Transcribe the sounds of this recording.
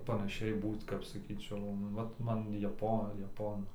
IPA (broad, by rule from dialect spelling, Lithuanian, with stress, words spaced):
pɐnɐˈʃʲɛɪ ˈbuːt kɐp sɐˈkʲiːt͡ʃʲɛʊ ˈʋɐt ˈmɐn jɛˈpoː jɛˈpoːnʊ